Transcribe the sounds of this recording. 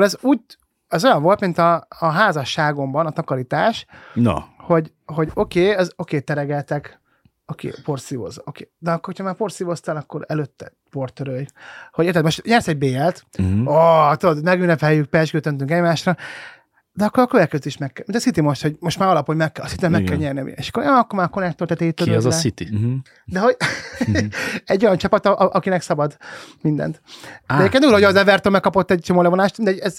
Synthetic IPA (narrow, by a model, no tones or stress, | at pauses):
lɛzuːɟ | ɛzo̞jɒɱvo̞lt̪mint̪ɒːɦaːzɒʃːaːɡo̞mbɒnɒt̪ɒkɒɾit̪aːʃno̰ho̞ɟ | ho̞ɟo̞keːɛzo̞keːt̪ɛɾɛɡɛlt̪ɛk | okḛːpo̞rsivo̰zokḛːd̪ɛɒkːorho̥cʰɒmaːrpo̞rt̪sivo̞st̪alɒkːo̞ɾɛløt̪ːɛ | po̞rt̪øɾøjhoɟeːrt̪ɛt̪mo̞ʃt̪ɲɛrsɛɟ̚beːɛlt̪ot̪ud̪od̪mɛɡynːɛphɛjːyk̚pɛʒd͡ʒɡøːt̪ønt̪yŋkɛɟmaːʃrɒ | d̪ɛɒkːoɾɒkːølɛkɛziʃmɛkːɛmint̪ɒsit̪imo̞ʃt̪ho̞ɟmo̞ʃt̪maːɾɒlɒphoɟmɛkːɛɒsit̪iɛmɛkːɛlɲɛrniɒmḭḛʃɒ̥kːoɾjoɒkːoɾmaːɾkːonɛkt̪ørt̪ɛt̪eːt̪øiɛzɛsit̪i | d̪ɛɦo̞ɟ | ɛɟːo̞jɒnt͡ʃɒpɒt̪ɒʔʔɒkinɛksɒbɒd̪mind̪ɛ̰nt̪ɛjekenuːlohoɒzɛvɛrt̪ølmɛkːɒpot̪ːɛɟ̚t͡ʃomoːlɛvonaːʃt̪minɛɟɛz